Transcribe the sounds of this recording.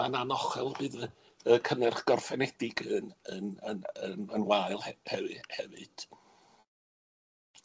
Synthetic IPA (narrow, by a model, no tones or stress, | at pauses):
ananɔχɛlˠbɨːðə | əkʰənɨrχɡ̥ɔrfɛnɛdɪɡənənənəmənwajlˠhɛhɛvɨhɛvɨ̰d̥